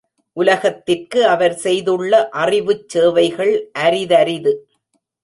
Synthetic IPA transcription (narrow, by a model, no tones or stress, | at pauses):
ʔʊlɐɣɐt̪ːɪrkɯɐʋɐɾsɛjðɯɭːɐʔɐrɪʋɯt͡ʃːeːʋɐɪɣɐɭʔɐɾɪðɐɾɪðɯ